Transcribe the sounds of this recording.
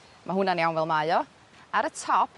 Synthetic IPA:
mʔaɦʊnaniawnvɛlˠmajɔ | aɾətʰɔpʰ

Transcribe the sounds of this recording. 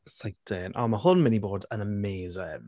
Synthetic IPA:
sajd̥eːnʔa̰mahʊnmɪniboːdənəmeːzɪn

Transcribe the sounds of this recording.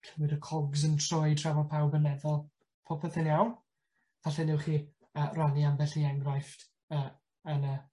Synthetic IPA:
tʰɛwɪɾəkʰɔɡzəntʰrɔɨtʰravɔpʰawɡənɛðɔlˠ | pʰɔpʰəθɪnjawn | vaɬɛnɪwχiː | əːranianbɛɬiɛŋɡrajft | əː | ənə

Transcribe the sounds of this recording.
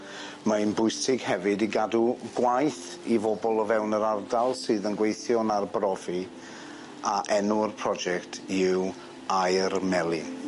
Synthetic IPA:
maɨnbʊɨsɪɡ̥hɛvɨdiɡaduɡwajθ | ivɔbɔlˠəvɛwnəɾardalˠsɨːðənɡwejθjɔnarbrɔvi | aʔɛnuərpʰr̥ɔd͡ʒɛktʰɪw | ajrmɛlˠɪn

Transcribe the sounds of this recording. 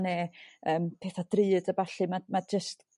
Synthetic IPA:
nɛːəːmpʰeːθad̥rɨːdəbaɬɨmamad͡ʒəst

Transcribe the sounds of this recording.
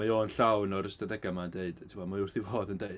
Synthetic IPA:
ajoːnɬawnɔɾəstadɛɡamandeɨd̥tʰɪmɔmaʊrθivoːdəndeɨd

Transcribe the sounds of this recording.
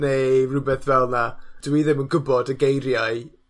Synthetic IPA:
nerʊbɛθvɛlˠnad̥wiðɪmənɡʊbɔdəɡejɾjaɨ

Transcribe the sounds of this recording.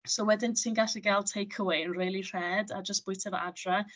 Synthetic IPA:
sowɛdɪntʰiːnɡaɬiɡalˠtʰejkʰəwejnriːlˠir̥ɛdad͡ʒəstb̥ʊjtʰəvə̰ʔadra

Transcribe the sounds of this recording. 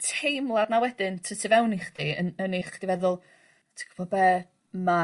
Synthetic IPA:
tʰejmlˠadnawɛdɪntʰəsʰivɛwniχd̥iə̰nəniχd̥ivɛðʊlˠ | tʰi̥kʰb̥ɔbɛ | ma

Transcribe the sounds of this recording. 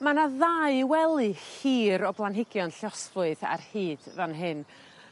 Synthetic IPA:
manaðaɨwɛlˠɨhiːɾɔblˠanɦɪɡjɔnɬjɔsvʊɨða̰rhiːd̥vanɦɨn

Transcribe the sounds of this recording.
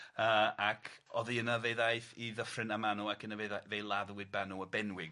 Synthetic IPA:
əːakʰɔðiənəveðajθiðəfrɪnamanuakənəveðajvejlˠaðwɪd̚banuəbɛnwɪɡ

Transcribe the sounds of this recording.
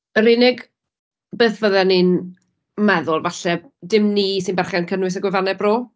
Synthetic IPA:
əɾɪnɪɡ | beːθvəðɛnin | mɛðʊlˠvaɬɛ | dɪmniːsɪnbɛrχankʰənwɨs̬əɡwɪvanɛbroː

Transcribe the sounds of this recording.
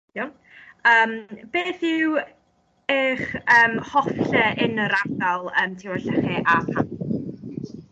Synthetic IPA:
jo | əːmb̥eːθɪw | ɪːχəːmhɔfɛʔɪnəɾadalˠəːmtʰiwɛɬɛχiʔapʰan

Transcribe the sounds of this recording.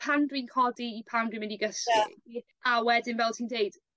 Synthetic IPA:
pʰandwiːnkʰɔdiːpʰandwiːnmɪniɡəsɪi | awɛdɪnvɛlˠtʰiːndeɨd̥

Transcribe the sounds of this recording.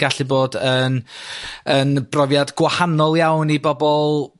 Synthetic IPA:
ɡ̥aɬɨboːdən | ənb̥rɔvjadɡ̥wahanɔlˠjawnibɔbɔlˠ

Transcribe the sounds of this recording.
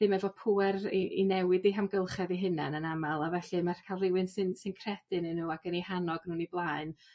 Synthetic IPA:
ðɨmɛvɔpʰuɛriʔinɛwɪdiɦamɡəlˠχɛðiɦɨnanənamalˠavɛɬɨmarkʰalˠrɪwɨnsɨnsɨnkʰrɛd̥ɨnɨnuːaɡənihanɔɡnuːniblˠaɨn

